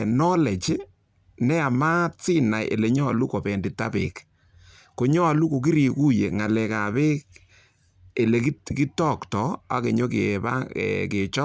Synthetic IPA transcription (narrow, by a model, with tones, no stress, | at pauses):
nɔ˦le˨t͡ʃ | nɛ˦a˨ma˦t͡sɪ˦na˨jʔḛ˨le˨ɲɔ˦a˨lu˦ko˨bɛ˨ndi˨ta˦bḛ˨k | ko˨ɲɔ˦a˨lu˦ko˨ki˦ɾi˨ku˦je˨ŋa˨lɛ˨ka˨be˦k̚ | e˨le˨ki˦ki˦tɔ˦ktɔ˦a̰˦ke˨ɲo˦ke˨ba̰˦ke˨t͡ʃɔ˦